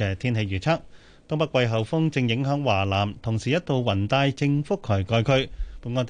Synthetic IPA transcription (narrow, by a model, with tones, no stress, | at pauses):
ɛː˨˩t̪ʰiː˥nɦe˨˧jɥyː˨˩t͡sʰa˥k̚ | t̪ɔː˥ŋpɐ˥kwɐ˧jɦɐ˨wfʊ˥ŋt͡sɪ˧ŋjɪ˨˥ŋɦœː˨˥ŋwaː˨˩laː˨˩mt̪ʰʊ˨˩ŋsiː˨jɐ˥t̪o˨wwɐ˨˩nt̪aː˧jt͡sɪ˧ŋfʊ˥kʰːɵ˨˩jkɔː˧jkʰɵ˧ɥpu˨˧˥ŋɔː˧nt̪